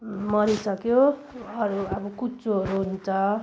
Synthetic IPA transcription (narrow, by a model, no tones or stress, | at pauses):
mʌɾisʌkjoʌɾuʌbʌkut͡soʌɾuɦunt͡sʰʌ